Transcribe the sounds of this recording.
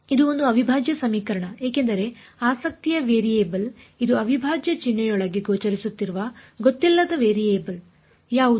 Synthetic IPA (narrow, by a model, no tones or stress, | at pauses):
id̪uo̞nd̪uɐbʱibʱaːd͡ʒjɐsɐmiːkɐɾɐɳɐe̞ːke̞nd̪ɐɾe̞ | aːsɐk̚t̪ijɐʋeːɾieːbɐl | id̪uɐʋʱibʱaːd͡ʒjɐt͡ʃinːɐjɔɭɐɡeɡoːt͡ʃɐɾisut̪ːiɾuʋɐɡot̪ːilːɐd̪ɐʋeːɾijeːbɐl | jaːʋu